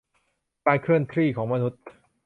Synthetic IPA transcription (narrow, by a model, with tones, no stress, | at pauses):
paː˧jkʰɾɯ˥˩ənt̪ʰɾiː˥˩kʰɔː˩˦ŋma˧nu˦˥t̪̚